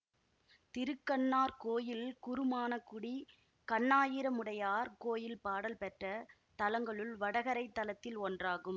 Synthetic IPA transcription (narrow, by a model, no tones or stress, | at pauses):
t̪ɪɾɯkːɐɳːaːɾkoːjɪlkʊɾɯmaːnɐkːʊɽi | kɐɳːaːjɪɾɐmɯɽɐjaːɾkoːjɪlpaːɽɐlpɛʈrɐ | t̪ɐlɐŋɡɐɭɯɭʋɐɽɐɣɐɾɐɪt̪ːɐlɐt̪ːɪlɔndraːɣɯm